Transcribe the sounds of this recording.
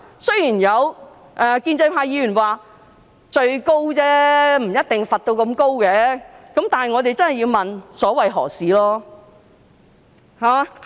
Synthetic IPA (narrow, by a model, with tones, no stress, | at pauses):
sɵ˥ɥjiː˨˩njɐ˨˧w | ʔɛː˨kiː˧nt͡sɐ˧jpʰaː˧jiː˨˧jyː˨˩nwaː˨ | t͡ʃɵ˧ɥko˥wt͡sɛː˥m̩˨˩jɐ˥t̚t̪ɪ˨ŋfɐ˨t̚t̪o˧wkɐ˧mko˥wkɛː˨˥kɐ˨˥mt̪aː˨nhɐ˨jŋɔː˨˧t̪e˨jt͡sɐ˥nhɐ˨˩jːiː˧wmɐ˨nsɔː˨˥wɐ˨jɦɔ̰ː˨˩siː˨˥lɔː˥ | ha˨